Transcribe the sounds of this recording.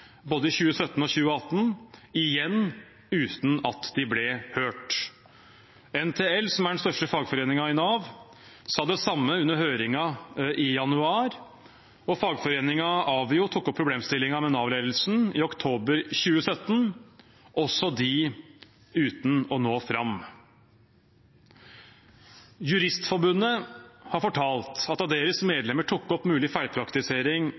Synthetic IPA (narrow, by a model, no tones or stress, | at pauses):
boːd̪əɪçʉːəsœt̪ːn̩ɔçʉːəɑt̪ːnɪjɛnː | ʉːt̪n̩ɑt̪d̪ɪblɛhøːʈ | ɛnt̪ʰeːɛlsɔmæɖɛn̩st̪œʂʈəfɑːɡfɔɾeːnɪŋɑɪnɑːʋ | sɑːd̪ɛsɑmːəʉnːəɾhøːɾɪŋɑɪjɑnʉɑːɾ | ɔfɑːɡfɔɾeːnɪŋɑʔɑʋɪʊt̪ʰʊkːɔpʰːɾʊbleːmst̪ɪlːɪŋɑmɛnɑːʋleːd̪əl̩sn̩ɪɔkt̪ʰoːbəɾçʉːəsœt̪ːn | ʔɔsɔd̪ɪ | ʉːt̪n̩ɔnoːfɾɑm | jʉɾɪst̪fɔɾbʉnːəhɑɾfɔʈʰɑːlt̪ɑt̪ɑld̪eːɾəsmeːd̪lɛməʈʰʊkːɔpːmʉːlɪfæɪlpʰɾɑkt̪ɪseːɾɪŋ